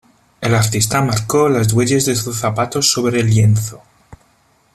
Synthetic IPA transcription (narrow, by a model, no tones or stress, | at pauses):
e̞laɾt̪ist̪amaɾko̞lazd̪we̞ʎe̞zðesuθapat̪o̞so̞βɾelje̞nθo̞